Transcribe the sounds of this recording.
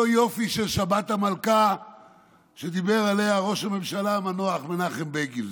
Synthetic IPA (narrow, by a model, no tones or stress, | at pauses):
ojo̞fiʃe̞lʃabat̪hamalka | ʃed̪ibe̞ʁalejaʁo̞ʃame̞mʃalamanoaχmenaχenbeɡil